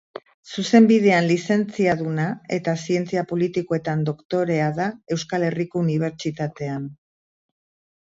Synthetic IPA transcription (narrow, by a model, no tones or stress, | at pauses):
suse̞mbið̞e̞anlise̞nt͡siaðunae̞t̪asie̞nt͡siapo̞lit̪ikoe̞t̪and̪o̞kt̪o̞ɾe̞aðae̞wskale̞riko̞uniβ̞e̞ɾt͡ʃit̪at̪e̞an